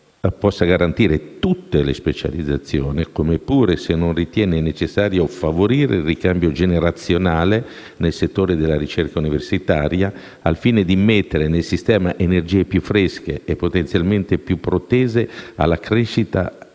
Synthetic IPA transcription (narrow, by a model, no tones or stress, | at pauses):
pɔsːaɡaɾant̪iːɾet̪ut̪ːelespet͡ʃa̰lid̪zːat̪sːjoːnikomepːuːɾesenːonrit̪jɛːnenet͡ʃesːaːɾjofavoɾiːɾḛilrikambjod͡ʒeneɾat̪sːjonaːle | nelset̪ːoːɾed̪elːaɾit͡ʃerkauniversit̪aːɾja | alfiːned̪imet̪ːeɾenelsist̪ɛːmaʔenerd͡ʒiːepjufːɾesk̟ḛepːot̪ent̪sjalment̪epjupːɾot̪eːzea̰lːakɾeʃːit̪a̰